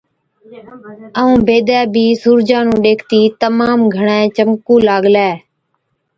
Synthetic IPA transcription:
əũːbeːd̪ɛːbʱiːsuːɾd͡ʒãːnũːɗeːkʰt̪iːt̪əmaːmɡʱəɳɛ̃ːt͡ʃəmkũːlaːɠlɛː

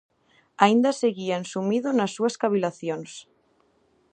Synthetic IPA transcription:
aind̪aseɣiansumiðonasːuaskaβ̞ilaθjons

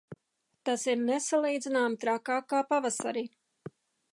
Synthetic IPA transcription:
t̪asiɾnesalˠiːd̪zinaːmt̪ɾakaːkaːpavasa̰ɾi

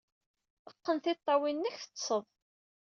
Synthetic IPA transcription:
əqːənθɪt̪ˤːɑwinːəçθə̥t͡sːsˤəðˤ

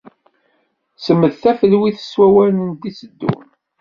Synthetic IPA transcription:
səmːəðθæfəlwiθə̥swæwælənd̪isəd̪ːṵn

